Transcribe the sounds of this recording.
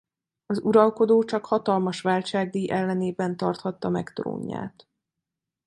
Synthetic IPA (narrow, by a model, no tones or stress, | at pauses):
ɒzuɾɒlko̞d̪oːt͡ʃɒkhɒt̪ɒlmɒʃʋaːlt͡ʃaːɡ̚d̪iːʔɛlːɛneːbɛnt̪ɒrt̪hɒt̪ːɒmɛkt̪ro̰ːɲːa̰ːt̪